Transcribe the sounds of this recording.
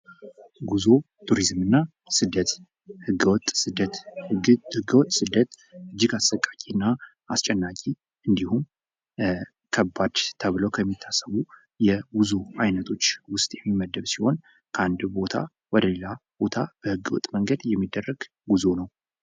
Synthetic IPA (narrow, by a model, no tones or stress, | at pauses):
ɡuzo̞ | t̪ʰuɾizmɨnːa | sɨd̪ːət̪ | hɨɡəwɔt̪ʼsɨd̪ət̪ | hɨɡəwɔt̪ʼːsɨd̪ːət̪ | ɨd͡ʒːɪɡasəkʼːakʼinːa | ast͡ʃʼɛnːakʼi | ɨnd̪ihum | kʰəbːad̪̥t̪ʰəβɨləwkʰəmːit̪ʰːasəβu | jɛbuzuajnət̪ʰo̞t͡ʃːwʊst̪ʼjɛmːiməd̪ːəβsiho̞n | kʰəand̪bo̞t̪ʰa̰ | wɔd̪əlelab̥o̞t̪ʰab̥əhɨɡːəwɔ̰t̪ʼməŋɡəd̪jɛmːid̪ːərːəɡ̥ | ɡuzo̞nəw